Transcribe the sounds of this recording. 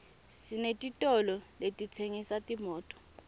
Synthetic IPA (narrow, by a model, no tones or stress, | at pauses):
sinetʼitʼɔlɔletʼit͡sʰeŋisatʼimɔːtʼɔ̥